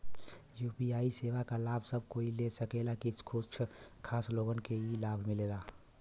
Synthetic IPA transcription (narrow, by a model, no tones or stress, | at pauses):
jupiaːiseʋakalabʱsəb̚ʱkoilesəkelakit͡ʃʰkʰut͡ʃʰkʰaːsloːɡənkeilabʱmilela